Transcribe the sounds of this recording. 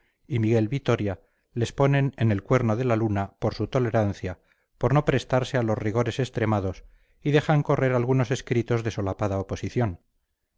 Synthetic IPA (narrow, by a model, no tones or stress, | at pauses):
imiɣe̞lβit̪o̞ɾja | le̞spo̞ne̞ne̞ne̞lkwe̞ɾno̞ðe̞lalunapo̞ɾsut̪o̞le̞ɾanθja | po̞ɾno̞pɾe̞st̪aɾse̞alo̞zriɣ̞o̞ɾe̞se̞st̪ɾe̞maðo̞s | iðe̞χaŋko̞re̞ɾalɣ̞uno̞se̞skɾit̪o̞zðe̞so̞lapaðaopo̞siθjo̞n